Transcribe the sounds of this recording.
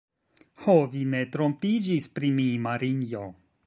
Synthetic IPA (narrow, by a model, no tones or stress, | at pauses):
hovine̞tɾo̞mpid͡ʒispɾimimaɾinjo